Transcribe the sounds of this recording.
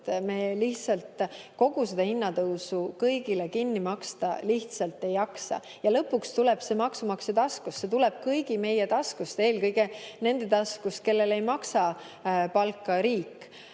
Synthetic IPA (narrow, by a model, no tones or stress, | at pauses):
t̪meːliht̪sɑlt̪ko̞ɡ̥used̪ɑhinːɑt̪ɤwsukɤjɡilekinːimɑkst̪ɑ̰liht̪sɑlt̪ːˑe̞jɑksɑ̰ | jɑlɤpːukst̪ulɛb̥se̞mɑksumɑkset̪ɑskustːse̞t̪ulɛb̥̚kɤjɡ̥ime̞jet̪ɑskust̪e̞ːlkɤjɡene̞nd̪̥e̞t̪ɑskust̪̚ke̞lːe̞le̞jmɑksɑ | pɑlkːɑɾiːkːˑ